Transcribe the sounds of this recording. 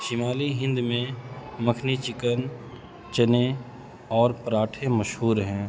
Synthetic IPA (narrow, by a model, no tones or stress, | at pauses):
ʃɪmaːliɦɪ̃nd̪mẽməkʰnit͡ʃɪkən | t͡ʃəne | ɔːɾpɾaːʈʰeməʃɦuːɾɦɛ̃ː